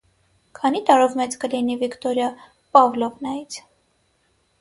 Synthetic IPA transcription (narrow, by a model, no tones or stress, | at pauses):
kʰɑnit̪ɑɾɔvmɛt͡skəlinivikt̪ɔɾjɑ | pɑvlɔvnɑjit͡sʰ